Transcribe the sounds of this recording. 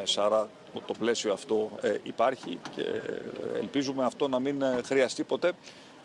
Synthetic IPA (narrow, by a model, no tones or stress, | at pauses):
esɐɾɐ | t̪o̞ple̞sioɐft̪o̞ipɐɾçḭcḛḛlpizume̞ɐft̪o̞nɐminxɾiɐst̪ipo̞t̪e̞